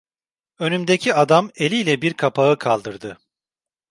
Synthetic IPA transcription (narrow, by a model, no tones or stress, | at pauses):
ø̞nymd̪ecʰiad̪ame̞lʲilʲɛbiɾkʰapʰaɯkʰalˠd̪ɯɾd̪ɯ